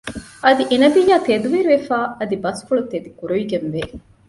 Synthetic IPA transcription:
ʔɐd̪iʔenɐbijːaːt̪ed̪uʋiɾʋefaːɐd̪ibɐsfuɭut̪ed̪ikuɾuʋiɡenʋe

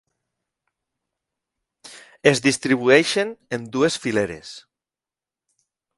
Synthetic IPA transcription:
ezðist̪ɾiβ̞ueʃenend̪uesfileɾḛs

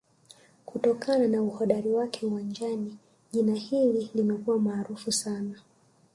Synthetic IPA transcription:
kutɔkananauhɔɗaɾiwakʰɛuwand͡ʒani | ʄinahililimɛkuwamaːɾufusana

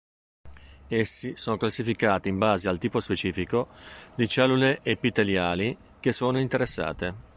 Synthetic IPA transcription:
esːisoːnoklasːifikaːt̪iːmbaːzealt̪iːpospet͡ʃiːfikod̪it͡ʃɛlːuleʔepːit̪eljaːli | k̟esːoːnoint̪eɾesːa̰ːt̪e

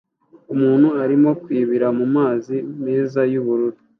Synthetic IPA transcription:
umuːn̥huaɾimo̞kwiːβiɾamumaːzimiːzajuβuɾuɾi

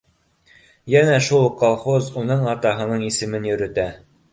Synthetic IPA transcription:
jænæʃulˠqolˠχozunɤɴɑt̪ɑɦɤ̆nɤɴisɘ̆mɘnjɵ̆ɾɵ̆t̪æ

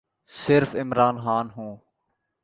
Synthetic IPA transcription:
sɪɾfɪmɾaːnxaːnɦũː

